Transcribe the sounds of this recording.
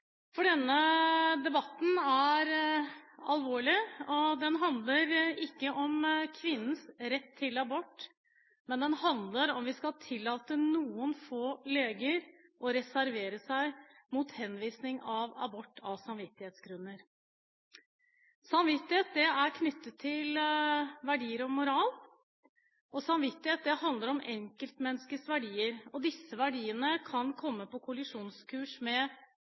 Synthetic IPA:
fɔɖɛnːəd̪ɛbɑt̪ːn̩æɾ | ɑlʋoːɭɪɔd̪ɛnɦɑnd̪ləɾɪkːəʔɔmkʰʋɪnːən̩sɾɛt̪ʰːɪlɑbɔʈː | mɛnd̪ɛnhɑnd̪ləɾɔmʋɪskɑlt̪ʰɪlːɑːt̪ənuːənfoːleːɡəɾʔɔɾɛsæɾʋeːɾəsæɪmut̪hɛnʋiːsnɪŋɑʋɑ̰bɔʈːɑsɑmʋɪt̪ːɪheːt̪sɡɾʉnːəɾ | sɑmʋɪt̪ːɪheːt̪̚d̪ɛæɾkʰnʏt̪ːət̪ʰːɪlʋæɖiːəɾɔmʊɾɑːl | ɔsɑmʋɪt̪ːɪheːt̪̚d̪ɛhɑnd̪əɾɔmʔɛŋkəlt̪mɛnːskəsʋæɖiːəɾɔd̪ɪsːəʋæɖiːənəkʰɑnkʰɔmːəpɔkʰʊlɪʂuːnskʰʉːʂmɛ

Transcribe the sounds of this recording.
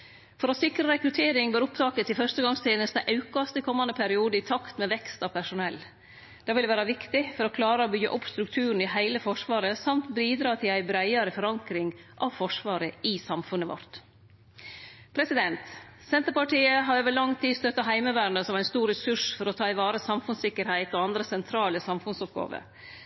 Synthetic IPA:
fɔɾɔsɪkɾəɾɛkɾʉt̪ʰeːɾɪŋbøːɾʊpt̪ʰɑːkət̪ʰɪlfœʂtəɡɑŋst̪ʰeːnəst̪əʔɑʉkɑst̪ɪkʰɔmːɑnd̪əpʰæɾɪuːd̪əɪt̪ʰɑkt̪mɛʋɛkst̪ɑʋpʰæʂʊnɛlː | d̪̥ɑːʋɪlʋæːɾɑʋɪkt̪ɪfɔɾɔkʰlɑːɾəobʏɡːə̰ʔʊpːst̪ɾʉkt̪ʰʉːɾɳn̩ɪɦæɪləfɔʂʋɑːɾəsɑmt̪biːd̪ɾɑːt̪ʰɪlæɪbɾæɪɑɾəfɔɾɑŋkɾɪŋʔɑʋfɔʂʋɑːɾəɪsɑmfʉnəʋɑ̰ɾt̪ | pʰɾɛsɪd̪ɛnt̪ | sɛnt̪əɾpɑʈiːəɦɑɾøːʋəɭɑŋt̪ʰiːst̪œt̪ːɑɦæɪməʋæːɾɳəsɔmæɪnst̪uːɾɛsʉʂfɔɾɔt̪ʰɑːɪʋɑːɾəsɑmfʉnsɪkːəɾhæɪt̪ɔɑnd̪ɾəsɛnt̪ʰɾɑːləsɑmfʉnsɔp̚ɡɑ̰ːʋə̰

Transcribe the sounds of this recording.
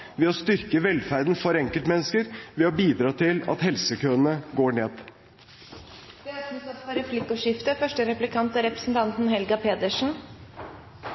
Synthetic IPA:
ʋɛɔst̪ʏɾkəʋɛlfæɾd̪n̩fɔɾɛŋkəlt̪mɛnːəskəɾʋɛɔbiːd̪ɾɑːt̪ʰɪlɑ̰t̪hɛlsəkʰøːənəɡoːɳeːd̪ | d̪̥ɛæɾsːsɑt̪ːfɔɾɛflɪkʊʂɪft̪əfœʂʈəɾɛplɪkʰɑnt̪æɾɛpɾə̥sn̩t̪ʰɑnt̪n̩hɛlɡɑpʰeːd̪əʂn̩

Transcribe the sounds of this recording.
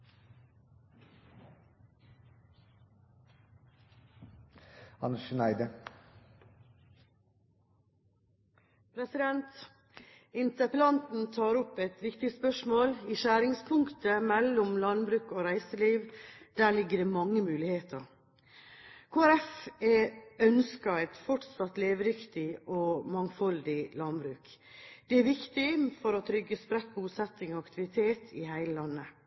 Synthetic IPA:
ɑ̰nəʃənæɪd̪ə | pʰɾɛsɪd̪ɛnt̪ | ɪnt̪əpəlɑnt̪n̩t̪ʰɑːɾʊpɛt̪ʋɪkt̪ɪspœʂmoːliːʃæːɾɪŋspʰʊŋkt̪əmɛlːʊmlɑnbɾʉːkɔɾæɪsəliːʋd̪̥æːlɪɡːəɖɛmɑŋːəmʉːlɪheːt̪ʰəɾ | kʰoːæɾɛfɛœnskɑɾæɪt̪fɔʈsɑt̪leːʋɾɪkt̪ɪʔɔmɑŋfɔld̪ɪlɑnbɾʉːk | d̪̥ɛæɾʋɪkt̪ɪfɔɾɔt̪ʰɾʏɡːəspɾɛt̪̚buːsɛt̪ːɪŋɔɑkt̪ɪʋɪt̪ʰeːt̪ʰɪhæɪləlɑnːə

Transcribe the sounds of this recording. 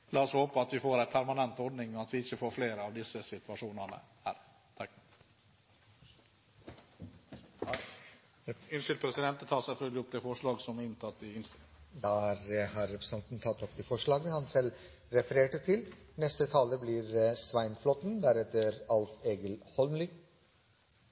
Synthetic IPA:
lɑːɔshoːpaɑt̪ʋɪfoːɾɛɪnpʰæɾmanɛnt̪ɔɖnɪŋɔat̪ʋɪɪçːəfoːɾfleːɾɑʋd̪ɪsːəsɪt̪ʉaʂuːnəɳə̰hæ̰ːɾ | t̪ʰɑkː | ɪnʂɪlpʰɾɛsɪd̪ɛnt̪ət̪ʰɑːsɛfœlɡ̪ɪɔp̚ːd̪ɛːfɔʂɭɑːɡsɔmɪnt̪ʰɑt̪ːɪɪnd̪ɑɾhɑɾːɛpɾəsɑnt̪nt̪ʰɑt̪ːɔpd̪iːfɔʂɭɑːɡənəhɑnsɛl | ɾɛfəɾeːʈət̪ʰɪlnɛst̪ət̪ʰɑːləbliːɾsʋæɪnflɔt̪n̩d̪æɾɛt̪ːəɾɑlt̪eːɡəlhɔlmlʏ

